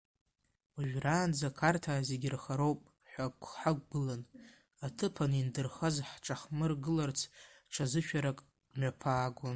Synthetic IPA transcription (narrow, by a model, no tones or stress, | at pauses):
aʒᶣraːnd͡zakʰartʰaːzeɡʲɪrχaɾo̞wpʼ | ħʷᶣakʷʰħakʷʼːɨlan | atʰɨpʰanindɨrχazħʈ͡ʂʰʼaχmɨrɡɨlart͡sʰ | ʈ͡ʂʰazɨʃᶣʰaɾakʼ | mapʰaːɡʷʊn